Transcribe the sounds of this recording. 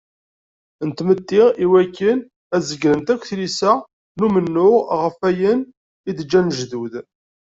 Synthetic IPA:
nt̪mət̪ːiʁiwækːən | æzəɡɾənt̪ækʷːθlisæ | numənːʊʁʁəfæjən | id̪əd͡ʒːænʒðuð

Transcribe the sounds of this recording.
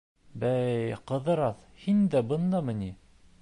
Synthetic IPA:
bæjqɤ̆ðɤ̆ɾɑθ | hind̪æbɤ̆nd̪ɑmɘ̆ni

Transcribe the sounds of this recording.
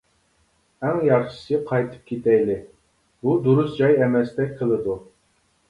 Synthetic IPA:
æŋjɑχʃɨ̥sɨqʰɑjt̪ʰɨ̥p̚kʲʰet̪ʰɛjlɪ | bud̪uɾusd͡ʒɑjɛmɛst̪ɛk̚ʲqʰəlˠɨd̪u

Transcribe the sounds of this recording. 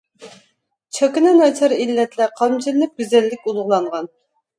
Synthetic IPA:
t͡ʃʰɑkʲinɛnɑjt͡ʃʰɑɾilːɛt̪lɛqʰɑmt͡ʃʰɪnlːɪk̚ʲɡʲyzɛlːɪkʲulˠʊʁlˠɑɴʁɑn

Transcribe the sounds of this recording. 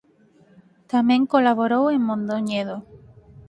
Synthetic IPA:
t̪amẽŋkolaβoɾoweŋmõnd̪oɲeðo

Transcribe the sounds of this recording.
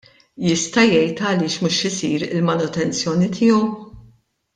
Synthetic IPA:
jɪst̪ɐjɛjt̪ɐlɪːʃmuʃɪsiːɾɪ̰lmɐnʊt̪ɛnt͡sjɔːnit̪ʰɪːɔw

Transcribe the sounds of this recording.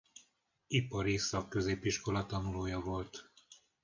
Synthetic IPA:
ipɒɾisɒkːø̞zeːpiʃko̞lɒt̪ɒnuloːjɒvo̞lt̪

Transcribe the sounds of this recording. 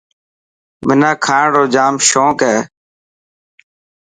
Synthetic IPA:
mɪnãːkʰaːɽoːd͡ʒaːmʃõːkɛː

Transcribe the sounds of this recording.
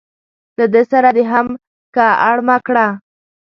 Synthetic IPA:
lad̪əsaɾad̪eɦam | kaaɽmakɽa

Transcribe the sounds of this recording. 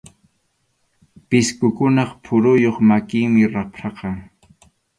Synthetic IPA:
pɪskʊkʊnɑχpʰʊɾʊjoχmakɪŋmɪɾapɾɑqɑŋ

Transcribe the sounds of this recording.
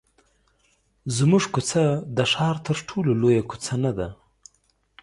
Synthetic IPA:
zmuʐkʊt͡sad̪əʂɑɾt̪ʰəɾʈʰulolojaku̥t͡sanad̪a

